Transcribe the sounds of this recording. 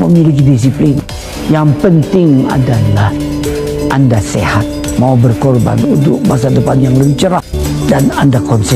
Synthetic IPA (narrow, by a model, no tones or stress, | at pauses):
məmilik̬idis̬iplɪn | jaŋpənt̪ɪŋa̰dalah | ʔandasḛhat̪̚maubərkɔrba̰nudʊk̚mas̬adəpanjaŋləɲt͡ʃəɾa | danandakɔnsi